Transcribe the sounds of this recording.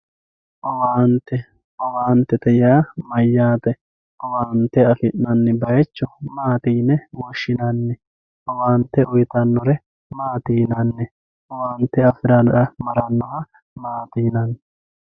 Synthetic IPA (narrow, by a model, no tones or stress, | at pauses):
ʔɔwaːnt̪ːɛ | ʔɔwaːnt̪ːɛt̪ɐjaːmɐjːaːt̪ɛ | ʔɔwaːnt̪ːɛɐfɪʔːɐnːɪbɐjɛt͡ʃːʊmaːt̪iːnɛwɔʃːɪnɐnːɛ | ʔɔwaːnt̪ːɛʔʊjt̪ɐnːɔɾɛ | maːt̪iːnɐnːɛ | ʔɔwaːnt̪ːɛɐfɪɾɐɐmɐɾɐnːɔɦɐ | maːt̪iːnɐnːɛ